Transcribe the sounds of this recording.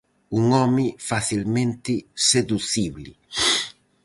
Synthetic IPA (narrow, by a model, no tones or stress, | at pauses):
uŋɔmɪfaθilmẽnt̪ɪseðuθiβlḭ